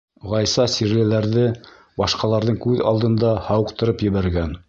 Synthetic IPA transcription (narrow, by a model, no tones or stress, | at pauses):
ʁɑjsɑsiɾlɘ̆læɾðɘ | bɑʃqɑlˠɑɾðɤɴkʉðɑ̰lˠd̪ɤ̆nd̪ɑhɑwɤ̆qt̪ɤ̆ɾɤpjɘ̆βæɾɡæn